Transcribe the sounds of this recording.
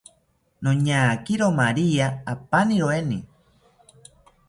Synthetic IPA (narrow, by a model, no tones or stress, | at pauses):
noɲakiɾomaɾiaapaniɾoeni